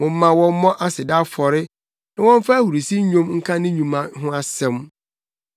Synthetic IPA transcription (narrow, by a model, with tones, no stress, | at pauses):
mʊ̃˨m̩ː˦ã˨wɔ̃˦m˦mɔ̃˦ʔa˦sɪ˨da˦fɔ˨ɾɪ˦ | nã˨wɔ̃˦ɱ˦fa˦æ˦hu˨ɾi˨si˦ɲ˦ɲõ˦mŋ̩˦kʰã˦nɪ̃˦ɲũ˨mã˨ɦʊ̃˦a˦sɛ̃˦m